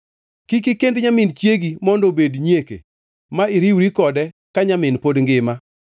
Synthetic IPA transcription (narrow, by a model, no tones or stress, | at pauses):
kik̬ɪkendɲamɪnt͡ʃjeɡimɔndobedɲekḛ | maɪɾiwɾikɔdɛ | kaɲamɪnpodŋɡɪma